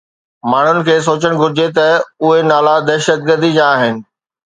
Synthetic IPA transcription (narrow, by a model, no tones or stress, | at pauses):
maːɳ̤ʊnɪ̆kʰeːs̬oːt͡ɕəɽ̃ɡʱʊɾɪd͡ʑet̪ɐʊɦenaːlad̪ɛːʃət̪̚ɡəɾd̪id͡ʑãːɦɪnɪ̆